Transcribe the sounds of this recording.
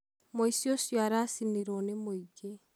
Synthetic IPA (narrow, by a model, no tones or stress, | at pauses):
moisjosjaɾasiniɾɔnemoiɡe